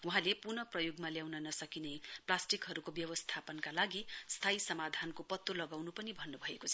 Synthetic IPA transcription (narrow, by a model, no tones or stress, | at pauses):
uɦãlepurnʌprʌjoɡmaljawnʌnʌsʌkinʌjplasʈikɦʌɾukobjʌwʌst̪ʰapʌnkalaɡist̪ʰaisʌmad̪ʱankopʌt̪ːolʌɡawnupʌnibʱʌnːubʱʌekot͡sʰʌ